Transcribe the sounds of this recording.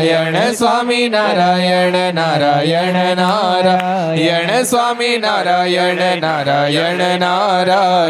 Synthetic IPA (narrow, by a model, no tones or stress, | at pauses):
jɛɳesʋaːminaːɾajɛɳenaɾajɛenaɾa | jɛɳesʋaːminaɾajɛɳenaːɾajɛɳenaɾa